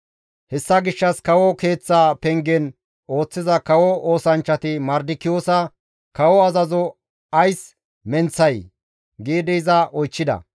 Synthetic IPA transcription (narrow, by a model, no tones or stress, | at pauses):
hɛsːɐɡɪʃːɐskɐwɔke̞ːt͡sːaːpɛŋɡɛn | o̞ːt͡sːɪzɐkɐwɔo̞ːsɐnt͡ʃːɐt̪ɪmɐɾd̪ɪkːɪjoːsɐ | kɐwɔɐzɐzɔ | ɐjs | mɛnt͡sːɐj | ɡeːd̪ɛzɐʔɔjt͡ʃːɪd̪ɐ̰